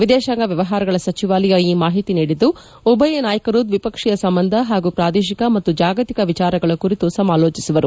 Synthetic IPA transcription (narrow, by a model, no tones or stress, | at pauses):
ʋid̪ɛːʃaŋɡɐʋjɐʋɐɦaːɾɐɡɐɭɐsɐt͡ʃiʋaːlɐjɐiːmaːɦit̪iniːɽid̪ːu | ɔbʱɐjenaːjɐkɐɾuːd̪ʋipɐkʂijɐsɐmbɐnd̪ʱɐɦaːɡupɾaːd̪eːʃikɐmɐt̪ːud͡ʒaːɡɐt̪ikɐʋit͡ʃaːɾɐɡɐɭɐkuɾit̪usɐmaːlo̞ːt͡ʃisuʋɐɾu